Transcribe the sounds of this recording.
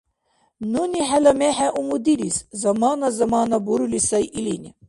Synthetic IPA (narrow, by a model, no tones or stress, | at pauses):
nuniħælɐmɛħɛʔumud̪iɾiszɐmaːnɐzɐmaːnabuɾulisɐjʔilinʲi